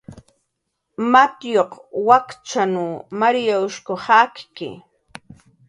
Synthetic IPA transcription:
mat̪joqwakt͡ʃanumaɾijaʊʃkohɑkkɪ̰

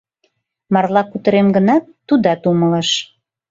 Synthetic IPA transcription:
mɑrlɑkut̪əɾemɡənɑt̪ːud̪ɑt̪umələ̆ʃ

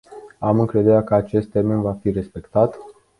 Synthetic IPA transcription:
amɨŋkɾe̞d̪e̞ɾeakəat͡ʃe̞st̪ːe̞rme̞nvafiɾe̞spe̞kt̪at̪

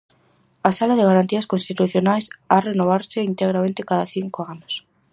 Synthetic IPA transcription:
asalaðɪɣaɾant̪iaskonst̪it̪uθjonajsarenoβ̞aɾsɪint̪eɣɾamẽnt̪ɪkaðaθiŋkoanos

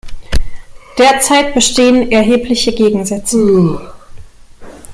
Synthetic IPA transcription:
d̥eːɐt͡saɪt̚b̥əʃteːənɛɐɦeːpʰlɪçəɡeːɡŋ̩zɛt͡sə

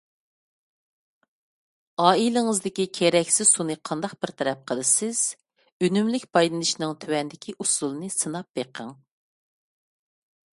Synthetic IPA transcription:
ɑːilɪŋɨzd̪ɪkʲikʲʰeɾɛkʲsɪz̥sunɨqʰɑnd̪ɑqb̥ɪɾt̪ʰɛɾɛp̚qʰəlˠɨsɪz̥ | ønymlɪkʲbɑjlɨnɨʃnɨŋt̪ʰywɛnd̪ɪkʲʰiʔusulˠɨnɨsɨnɑp̚beqʰəŋ

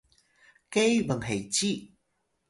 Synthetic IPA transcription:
kejbəŋɦejt͡ɕi

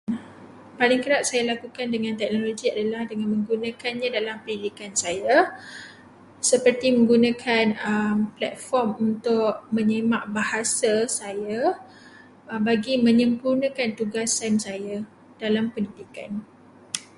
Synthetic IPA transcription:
palɪŋkəɾaʔ̚sajalakukandəŋãnt̪ɛk̚noloɡiadalahdəŋanmə̃ŋɡunãkanɲãdalampəndidikansaja | səpərt̪imə̃ŋɡunãkʰanəmplɛt̪̚fɔrmunt̪ʊʔmə̃ɲəmãʔbahasasaja | əbaɡimə̃ɲə̃mpurnãkant̪uɡasansaja | d̥alampəndidika̰n

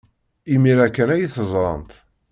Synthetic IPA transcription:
imiɾækːənæjiθəzˤɾˤɑ̰nt̪

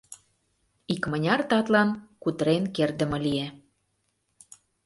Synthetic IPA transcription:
ikmə̆nʲɑrt̪ɑt̪lɑnkut̪əɾenkerd̪ə̆mɤ̆lie

